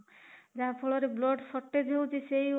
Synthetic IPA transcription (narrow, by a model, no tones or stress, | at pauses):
d͡ʒapʰɔlɔɾeblɔɖsɔʈːed̪ʱewd͡ʒesej